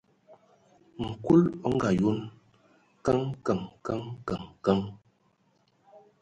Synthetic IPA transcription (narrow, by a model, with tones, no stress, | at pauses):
ŋ̩˨ku˦lɔ˦ŋ˦ɡa˨jo˦n | ka˦ŋka˨ŋka˦ŋka˨ŋka˦ŋ